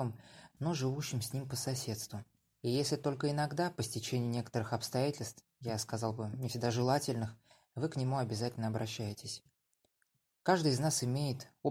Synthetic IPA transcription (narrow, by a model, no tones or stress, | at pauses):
əmno̞ʐɨvuɕːɪmsʲnʲimpəsɐsʲe̞t̪st̪vʊ | ijesʲlʲɪt̪o̞lʲkəɪnɐɡd̪apəsʲtʲɪt͡ɕenʲɪjɪnʲe̞kə̥t̪əɾɨxɐpst̪ɐjatʲɪlʲst̪f | jaskɐzɑlˠbɨnʲɪfsʲɪɡ̚d̪aʐɨlˠatʲɪlʲnɨx | vɨknʲɪmuɐbʲɪzatʲɪlʲnəɐbɾʔɐɕːæjɪtʲɪsʲ | kaʐd̪ɨjɪznasɪmʲejɪt̪o